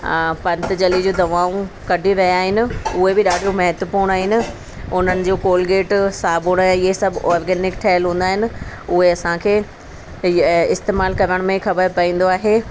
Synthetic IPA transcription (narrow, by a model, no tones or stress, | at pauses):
pɐ̃nt̪d͡ʑɐlid͡ʑuːd̪ɐʋaːũ | kɐɖʱiʋɐjaːɦɪnɪ̆ʊɦebɪɗaːɖʱijomɐɦɛt̪wəpuːɽ̃aːɦɪnɪ̆ | ʊn̤ənɪ̆d͡ʑoːkoːlɡeːʈsaːbʱuːɽ̃aːjɪɦesɐbʱɔːɾɡɛːnɪkʈʰɐɦəlɦũːnd̪aːɦɪnɪ̆ʊɦeɐsãkʰeː | ɪst̪eːmaːlkɐɾəɽ̃mẽxɐbəɾpɐĩːn̆d̪oaːɦeː